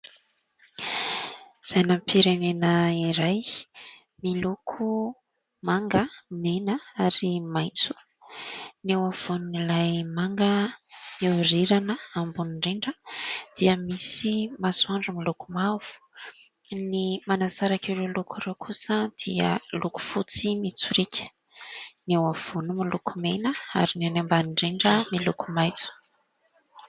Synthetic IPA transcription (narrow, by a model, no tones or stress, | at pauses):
z̥ajnampʰiɾenenəiɾaj | milukʰu | maŋɡəmenəaɾimajt͡su̥ | newav̥ununilajmaŋɡə | eɾiɾanəambuniɳɖ͡ʐiɳɖ͡ʐəd̪̥iəmisimasuaɳɖ͡ʐumilukumav̥u̥ | nimanazaɾakewɾewlukʰuɾewkʰusəd̪̥iə̰luku̥fut͡simit͡suɾekʲʰə̥ | newav̥unumilukumenəa̰ɾinanambaniɳɖ͡ʐiɳɖ͡ʐəmilukumajt͡su̥